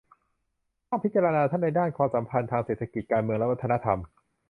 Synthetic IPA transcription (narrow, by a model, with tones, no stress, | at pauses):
aː˥˩ŋpʰi˦˥t̪̚t͡ɕa˧ɾa˧naː˧t̪ʰa˥˩nːa˧jdaː˥˩nkʰwaː˧msa˩˦mpʰa˧nt̪ʰaː˧ŋse˨˩t̪ʰːa˧ki˨˩t̪̚kaː˧nmɯ˧əŋlɛ˦˥wa˥t̪ʰːa˧na˦˥t̪ʰa˧m